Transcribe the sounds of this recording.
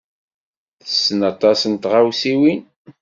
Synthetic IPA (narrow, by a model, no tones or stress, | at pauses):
θə̥sːənɑt̪ˤɑsənt̪ʁawsiwin